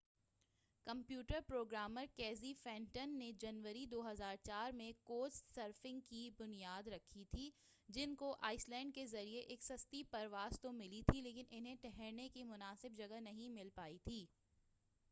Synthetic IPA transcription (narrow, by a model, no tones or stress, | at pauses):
kɐ̃mpjuːʈəɾpɾoːɡɾaːməɾkɛːzifɛ̃ːɳʈənːed͡ʒɐnʋəɾid̪oːɦɐzaːɾt͡ʃaːɾmẽkoːssəɾfɪ̃ŋɡ̚kibʊnijaːd̪ɾɐkʰːit̪ʰi | d͡ʒɪnkoʔaːɪslɛ̃ːɳɖkezɐɾieʔeːksɐst̪ipɐɾʋaːzt̪omɪlit̪ʰileːkɪnʔɪnɦẽʈɛɦɛɾnekimʊnaːsɪbd͡ʒɐɡənɐɦĩmɪlpaːit̪ʰiː